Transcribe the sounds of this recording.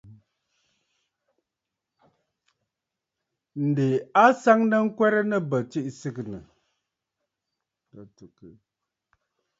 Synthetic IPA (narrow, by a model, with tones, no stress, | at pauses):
n̩˨de˨a˦sa˦ŋnə˦ŋ̩˦kwɛ˦ɾə˦nə˦bə˨t͡ʃi˦ʔsɨ˦knə˨ | tu˨k